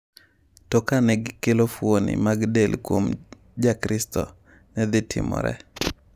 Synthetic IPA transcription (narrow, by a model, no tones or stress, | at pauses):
tɔkanɛɡɪkelofwonɪ̰maɡdelkwom | d͡ʒakɾɪstɔ̰ | nɛd̪ɪtʰɪ̰mɔ̰ɾɛ̰